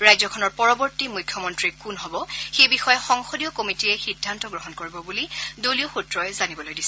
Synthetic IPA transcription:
ɹajzɔkʰɔnɔɹpɔɹɔbɔɹtimujkʰːjɔmɔntɹikunɦɔbɔxejbixɔjɛxɔŋxodijɔkomitiɛxidʱːantɔɡɹɔɦɔnkoɹibɔbulidolioxutɹɔjzanibɔlojdisɛ

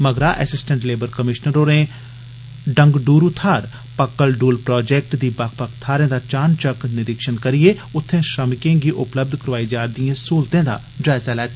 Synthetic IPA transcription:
məɡɾaːʔɛ̰sɪsʈə̃ɳʈleːbəɾkəmɪʃnəɾoːɾẽ | ɖə̃ŋɡɖuːɾut̪ʰaːɾ | pəkːəlɖuːlpɾɔːd͡ʒeːk̚ʈd̪iːbak̚ʰpəkt̪ʰːaːɾẽːd̪aːt͡ʃaːnt͡ʃəknɪɾɪkʃənkəɾieʊt̪ʰːẽːʃəmɪkẽːɡiʔʊpləb̚d̪ʱkəɾʋaːid͡ʒaːɾd̪iẽsuːlt̪ẽːd̪a̰ː | d͡ʒaːɪzalɛːt̪ː

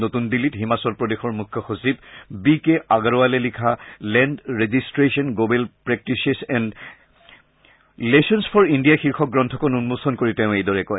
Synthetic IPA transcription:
notundilitɦimasɔlpɹɔdexɔɹmukʰːjɔxosib̚bikeʔaɡaɹɔalɛlikʰalɛndɹezistɹesɔnɡobɛlpɹɛk̚tisesɛnd | lesɔnsfʰɔɹindijaxiɹxɔk̚ɡɹɔntʰɔkɔnunmosɔnkoɹiteʊ̃ejdɔɹɛkɔj

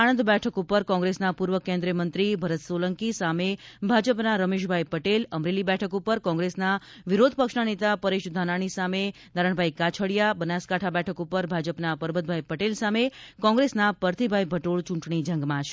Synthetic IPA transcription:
aɽə̃nd̪bɛʈʰəkupəɾkɔ̃ŋɡɾesnapuɾʋəkẽnd̪ɾiəmənt̪ɾibʱəɾət̪sʋoləŋkisamebʱad͡ʒəpnaɾəmeʃ̬bʱajpəʈeləmɾelibɛʈʰəkupəɾkɔ̃ŋɡɾesna | ʋiɾod̪̚ʱpəkʃnanet̪apəɾeʃd̪ʱanaɽ̃isame | d̪aɾəɳ̃bʱajkat͡ʃʰəɭjabənaskaʈʰabɛʈʰəkupəɾbʱad͡ʒəpnapəɾbəd̪̚bʱajpəʈelsamekɔ̃ŋɡɾesnapəɾt̪ʰibʱajbʱəʈoɭt͡ʃũɳʈɳ̃id͡ʒə̃ŋɡmãt͡ʃʰ

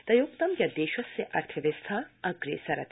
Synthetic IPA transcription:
d̪̥ɐjok̚t̪ɐmjʲɐd̪eːʃɐseʔɐɾt̪ʰɐʋest̪ʰaɐɡɾḛsɐɾɐ̰t̪

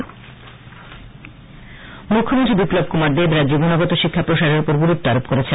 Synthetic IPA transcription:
mukʰːomont̪ɾibiplob̚kumaɾd̪ebɾad͡ʑd͡ʑobonaɡot̪oʃikʰːapɾoʃaɾeɾupoɾɡuɾupt̪aɾopkoɾet͡ɕʰe

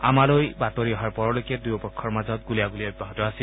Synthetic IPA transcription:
a̰malojbatɔɹiɔɦaɹpɔɹɔlojkɛdujɔpɔkʰːɔɹmazɔt̚ɡulijaɡulijabibɔɦɔtɔasi

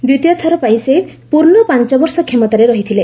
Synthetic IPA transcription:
d̪ut̪jɔt̪ʰɔɾɔpaĩsebpuɾnɔpant͡ʃɔbɔɾsɔkʰemɔt̪aɾeɾɔɦit̪ʰile

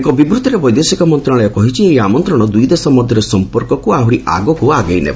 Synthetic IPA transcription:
ekɔbibɾut̪ɔɾebɔjd̪esikɔmɔnt̪ɾaɭ̃ɔjɔkɔɦit͡ʃʰieɦjamɔnt̪ɾɔɽ̃ɔd̪ujd̪esɔmɔd̪ʱjɔɾesɔmpɔɾkɔkuaɦuɾiʔa̰ɡɔkuaɡejnḛba

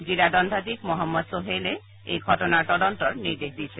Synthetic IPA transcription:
d͡ʑilad̪ɔnd̪ʱat̪ikmɔɦɔmːɔd̪soɦele | ejɡʱɔʈonaɾʈɔɖɔɳʈɔɾniɾd̪eɦd̪it͡ɕʰe

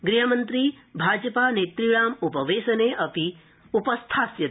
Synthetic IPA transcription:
ɡɾiɦɐmɐnt̪ɾi | bʱaːd͡ʒɐpaːneːt̪ɾiɭaːmupɐʋeːsɐneʔɐpi | upɐst̪ʰaːsjɐt̪

